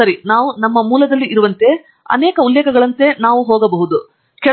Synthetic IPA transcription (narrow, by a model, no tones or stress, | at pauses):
ɐɾinaːʋunɐmːɐmuːlɐd̪ɐlːiʔiɾuʋɐnt̪e̞ | ɐ̰nɛːkɐulːeːkʰɐɡɐɭɐnt̪e̞naːʋuɦoːɡɐbɐɦud̪u | kɛ